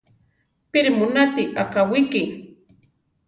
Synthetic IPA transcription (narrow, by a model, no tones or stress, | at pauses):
pɪɾmʊnat̪ɪʔakawɪkɪŋ